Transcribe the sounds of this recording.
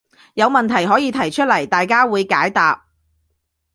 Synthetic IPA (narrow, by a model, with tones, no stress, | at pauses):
jɐ˨˧wmɐ˨nt̪ʰɐ˨˩jɦɔː˨˥jiː˨˧t̪ʰɐ˨˩jt͡ʃʰɵ˥t̚lɐ˨˩jt̪aː˨jkaː˥wuː˨˧jkaː˨˥jt̪aː˨p̚